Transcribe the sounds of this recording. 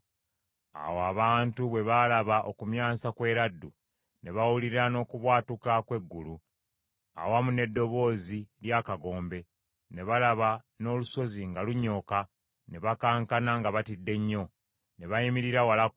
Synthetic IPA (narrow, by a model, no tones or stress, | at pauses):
a̰woaβaːntuβwe̞βalaβaʔo̞kumjaːsakwe̞ːɾadːu | ne̞βawuliɾano̞ːkuβwaːtukakwe̞ɡːulu | a̰wamune̞dːo̞βo̞ːziljaːkaɡo̞ːmbe̞ | ne̞βalaβa | no̞ːluso̞ziŋɡaluɲːo̞ːka | ne̞βakaːŋkanaŋɡaβatidːe̞ɲːo̞ | ne̞βajimiɾiɾawala